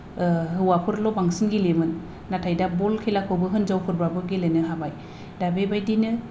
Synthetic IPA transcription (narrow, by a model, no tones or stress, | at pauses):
ɦɯwapʰɯɾlɔbaŋsɯnɡilemɯnː | atʰajdabɔlkʰejlakʰɯbɯɦɯnzawpʰɯɾbabɯɡilenɯɦabaj | dabebajdinɯ